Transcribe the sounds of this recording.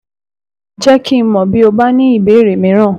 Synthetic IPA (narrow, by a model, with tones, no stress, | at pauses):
d͡ʒɛ˦kʰi˦mɔ̃˨bi˨˦o˧ba˦nĩ˦i˦˨be˨˦˨ɾe˨mĩ˨˦ɾ̃ã˦˨